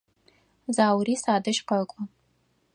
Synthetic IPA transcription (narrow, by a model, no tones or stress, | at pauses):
zaːwrisaːdɨʃqɐkʷʼʊ